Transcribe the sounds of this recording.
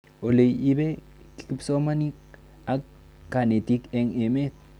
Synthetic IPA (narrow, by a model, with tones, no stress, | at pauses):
o˨le˨ji˦be˦ | ki̥˨ki˦pso˦ma˦ni˦k̚ | a˦kː | a˨ne˨t̪i˦ke˧ŋe˨me˦t̪̚